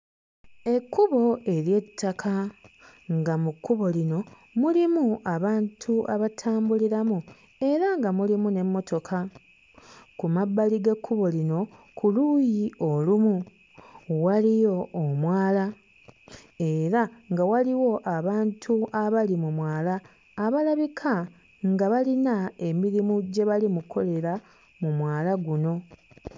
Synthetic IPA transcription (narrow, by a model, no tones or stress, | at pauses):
e̞kːuβo̞e̞ɾje̞tʰːakʰa | ŋɡamukːuβo̞lino̞ | mulimuaβaːntʰuʔaβatʰaːmbuliɾamu | e̞ɾaŋɡamulimune̞mːo̞to̞kʰa | kumabːaliɡekʰːuβo̞lino̞ | kʰulujio̞lumu | walijo̞ːmwaːla | e̞ɾaŋɡawaliwo̞ʔaβaːntʰuaβalimumwaːlaː | βalaβikʰa | ŋɡaβalinae̞miɾimuɟe̞βalimukʰo̞le̞ɾa | mumwaːlaɡuno̞